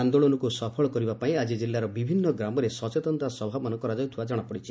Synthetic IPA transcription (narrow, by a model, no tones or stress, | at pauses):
and̪oɭonukusɔpʰɔɭɔkɔɾibapaĩad͡ʒid͡ʒilːaɾɔbibʱinːɔɡɾamɔɾesɔt͡ʃet̪ɔnt̪asɔbʱabɔnɔkɔɾad͡ʒɔjt̪ʰuwad͡ʒaɽ̃ɔpɔɽit͡ʃʰi